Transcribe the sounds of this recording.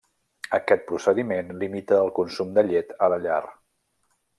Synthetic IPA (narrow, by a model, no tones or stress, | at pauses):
əkɛt̪̚pɾusəðimenlimit̪əːlˠkunsumd̪əʎet̪ələʎa̰r